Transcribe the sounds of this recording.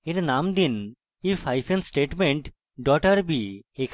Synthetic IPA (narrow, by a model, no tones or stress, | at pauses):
eɾnamd̪in | ifʰajfʰensʈeʈmeɳʈ | ɖɔʈəɾbiekʰ